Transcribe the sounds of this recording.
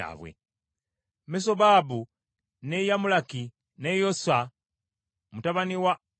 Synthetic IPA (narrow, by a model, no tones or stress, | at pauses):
a̰βwḛ | mis̬oβaːbu | nejamulaki | nejosa | mutaβaniwa